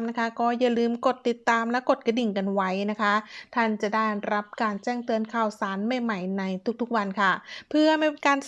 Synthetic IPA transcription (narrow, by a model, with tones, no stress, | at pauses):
mna˦˥kʰa˦˥kɔː˥˩ja˧˩lɯː˧mko˨˩t̪ːi˨˩t̪ːaː˧mlɛ˦˥wko˨˩t̪̚ka˧di˨˩nka˧nwa˦˥jna˦˥kʰa˦˥t̪ʰa˥˩nt͡ɕa˨˩da˥˩jɾa˦˥p̚kaː˧nt͡ɕɛː˥˩ŋt̪ɯ˧ənkʰaː˨˩wsaː˨˩˦nma˧˩jma˨˩jna˧jt̪ʰu˦˥k̚t̪ʰk̚wa˧nkʰa˥˩pʰɯ˥˩əma˥˩˧kaː˧n